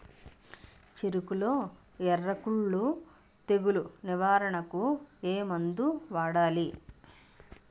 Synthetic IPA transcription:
t͡ʃeɾukulo̞ː | ɛrɐkuɭːu | t̪e̞ɡuluniʋaːɾɐɳɐkueːmɐnd̪uʋaːɽaːli

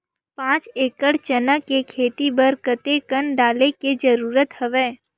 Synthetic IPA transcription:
pãːt͡ʃeːkəɽt͡ʃənəkːekʰeːt̪ibəɾkət̪ekənɖaːleked͡ʒəɾuːɾət̪həʋẽː

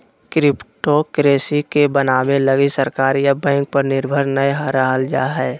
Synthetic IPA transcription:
kɾɪpʈokɾeːsikebənaːmeləɡisəɾkaːɾjabɛ̃ːŋk̚pəɾnɪɾbʱəɾnəjɦaɾəɦəld͡ʒa̰ːɦɛː

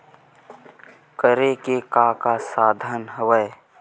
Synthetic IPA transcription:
kəɾekekaːkasaːd̪ʱənɦəwəe

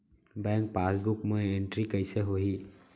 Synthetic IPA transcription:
bɛ̃ːŋk̚paːsbʊkmeẽɳʈɾikəɪseɦoɦi

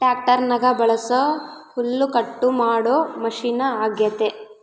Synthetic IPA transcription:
ʈjaːk̚ʈɐɾnɐɡɐbɐɭɐsohulːukɐʈːumaːɽoːmɐʂiːnɐaːɡjɐt̪e

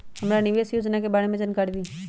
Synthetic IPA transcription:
həmɾanɪʋesjoːd͡ʒnakebaːɽemẽd͡ʒənkaːɾb̪iː

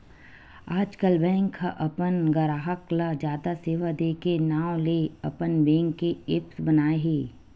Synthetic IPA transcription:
aːd͡ʒkəlbɛ̃ːŋkʰːaʔɐpənɡɐɾaːɦəklad͡ʒjaːd̪aseːʋad̪eːkenaːwleɐpənbɛ̃ːŋkːeɪpsbənaːeɦeː

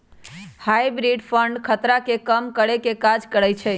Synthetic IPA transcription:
hajbɾiɖpʰəɳɖkʰət̪ɾakekəmkəɽekekad͡ʒkəɾəjt͡ʃʰɛ

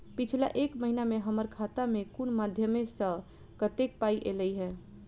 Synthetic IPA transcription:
pit͡ʃʰla̰ʔekməɦinameɦəməɾkʰat̪amekunmad̪ʱjəmesə̃ | kət̪ek̚paiʔeləjɦɛː

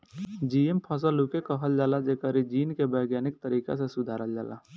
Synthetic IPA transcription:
d͡ʒiempʰəs̬əlukekəɦəld͡ʒaːlad͡ʒekəɾid͡ʒiːnkebəɪɡjaːnɪk̚t̪əɾiːka̰sesʊd̪ʱaːɾəld͡ʒa̰ːla̰ː

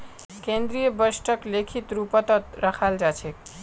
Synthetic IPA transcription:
kend̪ɾijəbəsʈəklekʰit̪ɾupət̪ət̪ɾəkʰald͡ʒat͡ʃʰek

